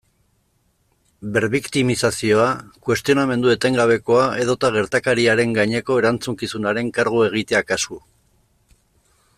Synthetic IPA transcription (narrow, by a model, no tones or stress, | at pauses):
be̞ɾβikt̪imisasio̞akwe̞st̪io̞name̞nd̪ue̞t̪e̞ŋɡaβ̞e̞ko̞ae̞ð̞o̞t̪aɣ̞e̞ɾt̪akaɾiaɾe̞ŋɡaɲe̞ko̞e̞ɾant͡suŋkisunaɾe̞ŋkaɾɣ̞ue̞ɣ̞it̪e̞akasku